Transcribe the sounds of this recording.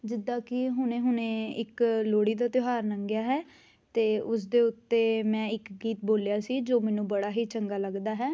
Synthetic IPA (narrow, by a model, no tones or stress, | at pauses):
d͡ʒɪd̪ːãːkɪɦʊnẽːɦʊnẽːɪkloːɽiːd̪aːt̪joɦaːɾnəŋɡjaːɦɛː | t̪eːʊs̬d̪eːʊt̪ːeːmɛ̃ːɪkɡiːt̪boːljaːsiːd͡ʒoːmɛːnũːbəɽaːɦiːt͡ʃəŋɡaːləɡd̪aːɦɛː